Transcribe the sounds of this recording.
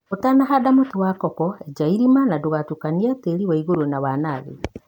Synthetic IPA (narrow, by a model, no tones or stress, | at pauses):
otanaɦadamotiwakɔkɔɛd͡ʒaiɾimanadoɣatukaniateɾiwaiɣoɾonawanaðḛ